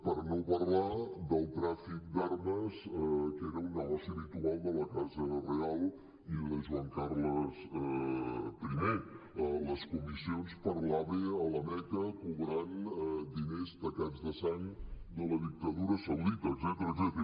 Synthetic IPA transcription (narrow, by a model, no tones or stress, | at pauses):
pəɾnopərlad̪əlˠt̪ɾafik̚d̪arməzkeɾəunəlasiəβit̪ualˠd̪ələkazərealˠ | iləzβəŋkarləsɛpɾime | ələskumisionspəɾlaβeələmɛk̪əkuβɾand̪inezd̪əkazðəsaɲd̪ələðik̚t̪əðuɾəsəwðit̪əzɛt̪ɾəzɛt̪ɾə